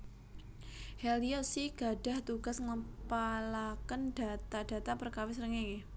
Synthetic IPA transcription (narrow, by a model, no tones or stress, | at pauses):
hɛliosiɡ̥a̤ɖ̥a̤ht̪uɡ̥a̤sŋəpalakənd̥a̤t̪ad̥a̤t̪apərkawɪsəɾəŋeŋe